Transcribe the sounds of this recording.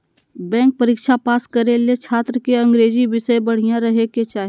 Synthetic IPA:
bɛ̃ːŋk̚pəɾikʃapaːskəɾelet͡ʃʰaːt̪ɾəkeɐ̃ŋɡɾeːd͡ʒibɪsəjbəɽ̤ijãɾəɦeket͡ʃaːɦe

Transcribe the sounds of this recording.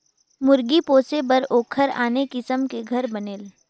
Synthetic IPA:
mʊɾɡipoːsebɐɾoːkʰəɾa̰ːnekɪsəmkeɡʱɐɾbɐneːl

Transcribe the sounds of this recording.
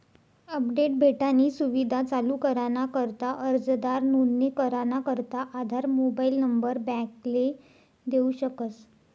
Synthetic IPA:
əpɖeʈ̚bʱeʈaniːsuʋid̪ʱat͡saluːkəɾanakəɾt̪aʔəɾd͡zd̪aɾnunːekəɾanakəɾt̪aʔad̪ʱaɾmobailnəmbəɾbɛ̃kle | d̪euɕəkət͡s

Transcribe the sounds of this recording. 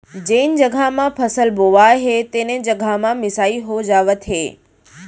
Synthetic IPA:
d͡ʑẽːnɪ̆d͡ʑɐɡʱamãpʰɐsəlboʋaːeɦeːt̪ẽːnẽd͡ʑɐɡʱamãmɪsaːiɦod͡ʑaːʋət̪ɦeː

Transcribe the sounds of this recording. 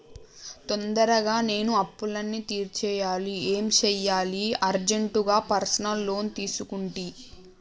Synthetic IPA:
t̪ond̪ɐɾɐɡaːne̞ːnuɐpːulɐnːit̪iːɾt͡ʃɛːjaːlie̞ːmt͡ʃɛːjːaːliɐɾd͡ʒeɳʈuɡaːpɐɾsɐnɐlːo̞ːnt̪iːsukuɳʈi

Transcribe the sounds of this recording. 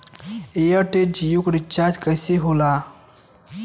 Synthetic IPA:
eəʈed͡ʑijukɾit͡ɕaɾd͡ʑkəseɦola

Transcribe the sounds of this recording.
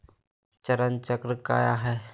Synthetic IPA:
t͡ʃəɾənt͡ʃəkɾəka̰ːjaɦɛː

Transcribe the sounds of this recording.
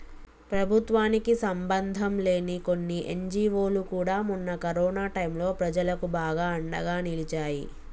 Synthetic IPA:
pɾɐbʱut̪ʋaːnikisɐmbɐnd̪ʱɐmle̞ːniko̞nːiʔḛɲd͡ʒiːʋoːlukuːɽaːmunːɐkɐɾɔːnaːʈɐjmlo̞ːpɾɐd͡ʒɐlɐkubaːɡaːɐɳɖɐ̰ɡaːnilit͡ʃaːjḭ

